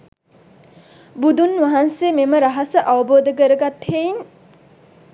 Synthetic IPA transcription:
bud̪unʋaɦansememəɾaɦasəʔaʋəboːd̪əkəɾəɡat̪hejin

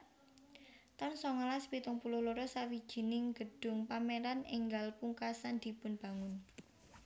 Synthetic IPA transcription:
t̪ɔnsɔŋalaspit̪ʊŋpulʊhloɾɔsawid̥ʒ̥i̤nɪŋɡ̥ə̤ɖ̥ʊ̤ŋpameɾanɪŋɡalpuŋkasand̪̥i̤pʊnb̥ä̤ŋʊn

